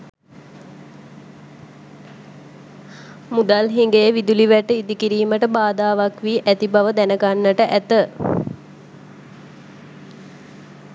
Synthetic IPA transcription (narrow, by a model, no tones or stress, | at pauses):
mud̪alɦiŋɡejəʋid̪uliʋæʈəid̪ikiɾiːməʈəbaːd̪aːʋakʋiːʔæt̪ibaʋəd̪ænəɡanːəʈəʔæt̪ə